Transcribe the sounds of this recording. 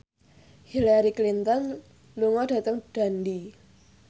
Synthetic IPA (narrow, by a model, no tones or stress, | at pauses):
hilaɾiklint̪ɔn | luŋɔɖ̥a̤t̪əŋɖ̥a̤ndi